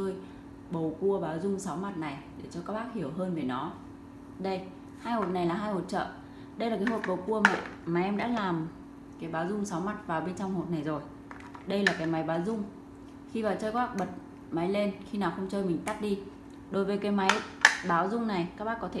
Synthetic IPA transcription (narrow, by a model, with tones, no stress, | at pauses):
t͡ɕəː˧j | ɓə˨˩wku˧əɓaː˨˦wzʊ˧ŋ͡msa˨˦wma˨˩t̚na˨˩jɗe˧˩t͡ɕɔ˧kaː˦˥k̚ɓaː˦˥k̚hi˧˩əwɦəː˧nve˨˩nɔ˨˦ | ɗə˧j | haː˧jho˨˩t̚na˨˩jlaː˨˩ɦaː˧jho˨˩t̚t͡ɕə̰ː˧˨ | ɗə˧jlaː˨˩kaː˨˦jɦo˨˩t̚ɓə˨˩wku˧əmḛ˧˨maː˨˩jʔɛ˧mɗa̰ː˧˥laː˨˩m | kaː˨˦jɓaː˨˦wzʊ˧ŋ͡msa˨˦wma˨˩t̚vaː˨˩wɓe˧nt͡ɕɔ˧wŋ͡mho˨˩t̚na˨˩jzo˨˩j | ɗə˧jlaː˨˩kaː˨˦jma˨˦jɓaː˨˦wzʊ˧ŋ͡m | xi˧vaː˨˩wt͡ɕəː˧jka˦˥k̚ɓə˨˩t̚ | ma˨˦jle˧nxi˧naː˨˩wxə˧wŋ͡mt͡ɕəː˧jmï˨˩ŋ̟t̪a˦˥t̚ɗi˧ | ɗo˨˦jvəː˨˦jkaː˨˦jma˨˦jɓaː˨˦wzʊ˧ŋ͡mna˨˩jkaː˦˥k̚ɓaː˦˥kːɔ˨˦t̪ʰe˧˩